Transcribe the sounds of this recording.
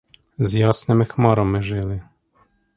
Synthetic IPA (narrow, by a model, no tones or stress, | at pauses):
zjɔsnɛmɘxmɔɾɔmɘʐɘlɘ